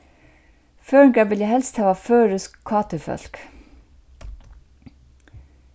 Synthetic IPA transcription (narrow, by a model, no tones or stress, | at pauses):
føːɹɪŋkaɹʋɪljahɛlst̪hæːʋaføːɹʏskʰːɑːt̪ʏfœ̰l̥k